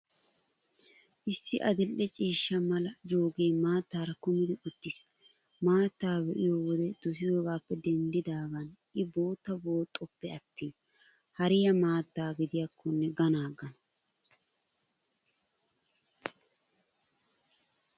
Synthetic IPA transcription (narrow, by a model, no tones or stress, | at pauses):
ʔɪsːɪʔɐd̪ɪlːɛt͡ʃʼiːʃːɐmɐlɐd͡ʒoːɡeːmaːt̪ːaːɾɐkʊmɪd̪ɪʊt̪ːɪs | maːt̪ːaːbɛʔɪjoːwɔd̪ɛd̪̥ʊsɪjo̞ːɡaːpːɛd̪ɛnd̪ɪd̪aːɡɐnʔɪbo̞ːt̪ːɐbo̞ːt̪ʼːɔpːɛɐt̪ːiːn | hɐɾɪjɐmaːt̪ːaːɡɪd̪ɪjɐkʰːɔnːɛɡɐnaːɡɐnɐ